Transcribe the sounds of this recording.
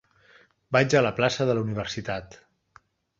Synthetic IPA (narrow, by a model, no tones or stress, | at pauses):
bad͡ʒələplasəðələuniβ̞əɾsit̪at̪